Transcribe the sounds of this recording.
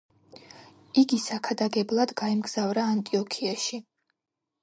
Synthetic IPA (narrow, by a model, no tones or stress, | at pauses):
iɡisakʰad̪aɡɛblˠad̪ɡaimɡz̥avɾaːnt̪ʼiɔkʰiaʃi